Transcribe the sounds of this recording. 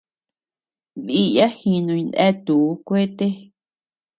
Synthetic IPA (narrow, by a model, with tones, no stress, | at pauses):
βi˦ja˦hĩ˧nũ˧i˧nd̪ɛ˦t̪u˨˦kʷe˦t̪e˦